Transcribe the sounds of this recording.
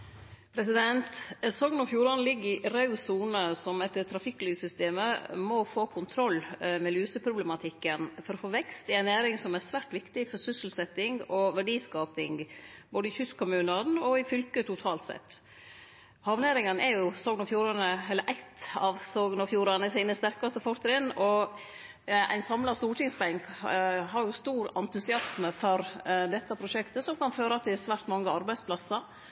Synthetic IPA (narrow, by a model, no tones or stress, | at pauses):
pʰɾɛsɪd̪ɛnt̪sɔɡnɔfjuːɾɑnəlɪɡːɪʔɾɑʉsuːnəsɔmɛt̪ːt̪ʰːɾɑfɪkːlyːsʏst̪eːməmɔfoːkʰʊnt̪ʰɾɔlːmɛlyːsəpʰɾʊblɛmɑt̪ʰɪkːənfɔɾɔfoːʋɛkst̪ɪæɪnæːɾɪŋsɔmæɾsʋæːʈʋɪkt̪ɪfɔɾsʏsəl̩sɛt̪ːɪŋɔʋæɖiːskɑːpɪŋboːd̪əɪçʏskʰʊmʉːnɑnɔɪfʏlkət̪ʰʊt̪ʰɑːlt̪sɛ̰t̪ː | hɑʋneːɾɪŋənɛɾjʊsɔːɡnɑfjuːɾɑnəɛlːəɾʔæɪt̪ɑʋsoɡnɑfjuːɾɑnəsiːnəst̪æɾkɑst̪əfɔɾt̪ɾɪnɔ | æ̰ɪnsɑmlɑst̪uːʈɪŋsbæŋkɦɑɾjʊst̪uːɾɑ̰nt̪ʉsɪɑsməfɔɾd̪ɛt̪ːəpʰɾʊʂɛkt̪əsɔmkɑnføːɾɑt̪ʰɪsʋæːɾt̪mɑŋːəɑɾbæɪdspʰlɑsɑɾ